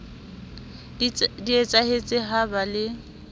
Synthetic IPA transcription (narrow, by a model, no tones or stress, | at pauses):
diet͡sʼahet͡sʼɪɦabalɪ